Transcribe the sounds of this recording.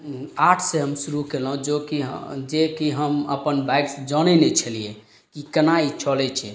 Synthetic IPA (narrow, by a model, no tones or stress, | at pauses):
aʈʰseɦəmsuɾukelɦũd͡ʒokiɦd͡ʒekiɦəmə̰pənbajksd͡ʒɔnɛnɛt͡ʃʰəlie | kikənait͡ʃʰɔlɛt͡ʃʰɛ